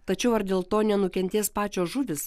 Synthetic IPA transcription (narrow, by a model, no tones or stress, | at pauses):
t̪ɐt͡ʃʲɛʊɐɾd̪ʲeːlˠt̪oːnʲɛnʊkʲɛnʲt̪ʲeːspɑːt͡ʃʲoːsʒʊʋʲɪs